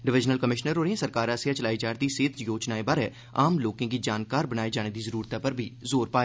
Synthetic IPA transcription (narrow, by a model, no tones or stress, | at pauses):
ɖɪʋɪd͡ʒnəlkəmɪʃnəɾoːɾẽsəɾkaːɾasejat͡ʃəlaːid͡ʒaːɾd̪iseːt̪ʰjoːt͡ʃnaːebaɾɛ | aːmloːkẽkid͡ʒaːnkaːɾbəñaːed͡ʒaːɽ̃ed̪izəɾuːɾt̪apəɾbʱizoːɾpaːeː